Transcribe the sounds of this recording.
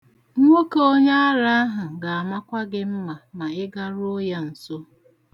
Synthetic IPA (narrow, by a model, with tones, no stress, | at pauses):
ŋ̩˦ŋʷo˦ko˦ɲe˦a˦ɾa˦a˦ɦʊ˨ɡa˨a˨ma˦kʷa˦ɡɪ˦m̩˦ma˨na˨ɪ˦ɡa˦ɾo˦ja˦n̩˨so˦